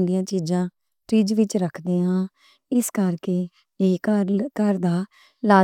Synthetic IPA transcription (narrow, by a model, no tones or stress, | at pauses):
nd̪ijãːt͡ʃiːd͡ʒãː | ʈɾiːd͡ʒʋɪt͡ʃɾəkʰd̪eːãː | ɪskəɾkeː | eːkəkəɾd̪aː | laː